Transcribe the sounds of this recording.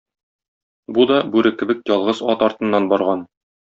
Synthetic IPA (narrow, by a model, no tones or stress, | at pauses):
bud̪ɒbʉɾɘkɘ̆bɘk̚jɒlˠʁɤzɒt̪ɒɾt̪ɤ̆nːɑnbɒɾʁɑn